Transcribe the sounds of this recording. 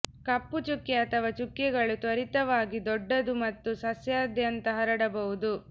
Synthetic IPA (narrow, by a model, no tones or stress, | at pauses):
kɐpːut͡ʃukjeɐt̪ɐʋɐt͡ʃukjɛɡɐɭut̪ʋɐɾit̪ɐʋaːɡid̪ɔɖːɐd̪umɐt̪ːusɐsjaːd̪ʱjɐnt̪ɐɦɐɾɐɽɐbɐɦud̪u